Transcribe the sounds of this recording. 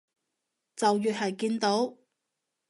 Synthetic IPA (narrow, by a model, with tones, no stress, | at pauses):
t͡sɐ˨wjyː˨t̚hɐ˨˩jkiː˧nt̪o˨˥w